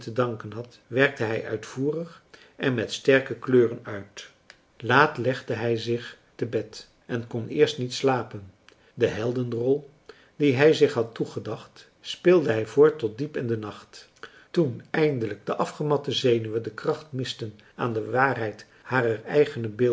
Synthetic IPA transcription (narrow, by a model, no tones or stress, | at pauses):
tədɑŋkənɦɑt | ʋɛɹk̚təɦɛjʔœ̰ɥtfuːrəχ | ʔɛnmɛtstɛrkəkløːrənœɥt | laːtlɛχdəɦɛjzɪχ | təbɛt | ʔɛnkɔnɪːɹstnitslaːpən | dəɦɛlˠdəndərɔlˠ | d̥iɦɛjzɪχɦɑtuχədɑχt | spɪlˠdəɦɛjvʊːɹtːɔt̚dipɪndənɑχt | tunɛjndələɡ̚dəʔɑfχəmɑtəzejnyʋədəkrɑχtmɪstən | a̰ːndəʋaːrɦɛjt | haːrərɛ̰jχənəbɪ